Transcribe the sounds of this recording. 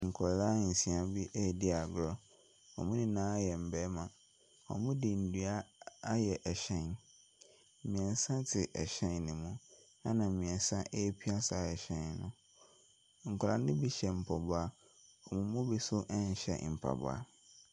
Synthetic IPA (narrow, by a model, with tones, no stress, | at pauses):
ŋ̩˨kʰɔ˨la˦n̩˨sĩ˨a˨bi˦ʔe˦˨di˦a˨ɡɾɔ˦ | ɔ̰˨mʊ̃˦nɪ̃˦nãː˦jɛ˨m̩˨bɛː˨˦mã˨ | ɔ̰˨mʊ̃˦dɪ˨n̩˨dɥa˦a˦jɛ˨ʔɛ˨ɕɛ̃˦˨n˦˨ | mĩ˨ɛ˨n˦sã˦tʰɪ˨ʔɛ˨ɕɛ̃˦n˨nɪ̃˨mũ˦ | a˦nã˨mĩ˨ɛ̃˨n˦sã˦ʔe˦pʰi˦a˦sa˨ɛ˨ɕɛ̃˨nnʊ̃˦ | ŋ̩˨kʰʊ˨a˨nɪ̃˦bi˦ɕɛ˨m̩˨pʰɔ˨bʊ˨˦a˦ | ɔ˨mʊ̃˨mʊ̃˦bi˦sʊ˦ʔɛ˦ɲ̩˨ɕɛ̰˨m̩˨pʰa̰˨b̰a̰˨